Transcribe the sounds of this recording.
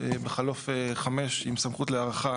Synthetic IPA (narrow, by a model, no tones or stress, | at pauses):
ebeχalofeχame̞ʃimsamχutleaʁaχa